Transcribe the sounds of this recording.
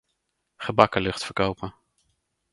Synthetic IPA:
χəbɑkəlɵχtfəɹkowpə

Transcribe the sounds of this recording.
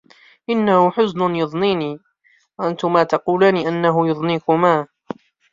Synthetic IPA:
ʔɪnːahʊħʊznʊnjʊðˤniːniː | waʔant̪ʊmaːt̪ɑquːlaːniːʔanːaɦʊjʊðˤniːkʊmaː

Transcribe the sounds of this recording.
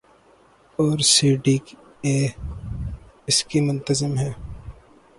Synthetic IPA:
ɔːɾsiːɖiːk | eː | ɪskimʊ̃nt̪əzɪmɦɛː

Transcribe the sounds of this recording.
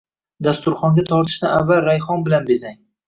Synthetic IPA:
d̪ast̪ʊɾχɒŋɡʲat̪ʰɒɾt̪ʰɪ̥ʃnɪavːalɾajχɒnbɪlanbezaŋ

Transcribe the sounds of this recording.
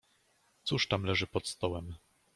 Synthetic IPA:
t̪suʂt̪amlɛʐɘpɔt̪st̪ɔwɛm

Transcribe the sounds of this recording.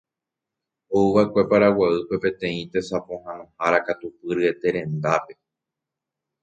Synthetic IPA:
ouβaekʷe̞paɾawaɨpe̞pẽ̞t̪ẽ̞ĩt̪e̞sapõ̞hãnõ̞haɾakat̪upɨɾɨe̞t̪e̞ɾẽ̞nd̪ape̞

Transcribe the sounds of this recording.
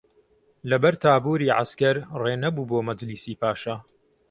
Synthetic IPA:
lɐbɐɾt̪ʰaːbuːɾiːʕa̰skɐɾreːnɐbuːboːmɐd͡ʒliːsiːpʰaːʃɐ

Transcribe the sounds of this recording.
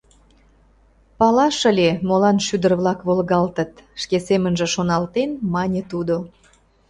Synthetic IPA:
pɑlɑʃəlʲemolɑnʃyd̪ərβlɑkβolɣɑlt̪ət̪ʃkesemənʒə̆ʃonɑlt̪enmɑnʲet̪ud̪o

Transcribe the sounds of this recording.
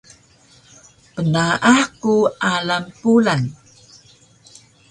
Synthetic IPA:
pənaʔaħkuʔalampulan

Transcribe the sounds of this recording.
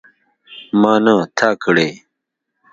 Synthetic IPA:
maːnãt̪ʰaːkəɽeː

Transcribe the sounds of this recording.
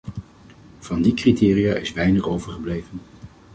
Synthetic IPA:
v̥ɑndikritɪːrijaːɪsʋɛjnəχowvəɹχəblejvən

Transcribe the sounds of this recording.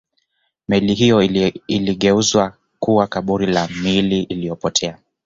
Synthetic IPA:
mɛliɦijɔiliɠɛuzwa | kuwakaɓuɾilamiliʔilijɔpɔtʰɛa

